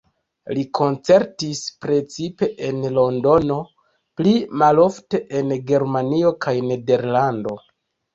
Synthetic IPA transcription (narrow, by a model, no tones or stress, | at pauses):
likʰo̞nt͡se̞ɾtispɾe̞t͡sipe̞ʔenlo̞ndo̞no̞ | plimalo̞fte̞ʔenɡe̞ɾmanio̞kʰajne̞de̞ɾlando̞